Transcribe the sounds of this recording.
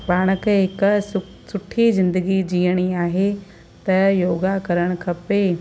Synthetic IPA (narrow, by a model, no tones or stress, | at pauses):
paːɽ̃əkɦɪk | sʊʈʰizɪ̃nd̪əɡid͡ʑiːəɽ̃iaːɦe | t̪ɐjoːɡakɐɾəɽ̃ʊ̆kʰɐpe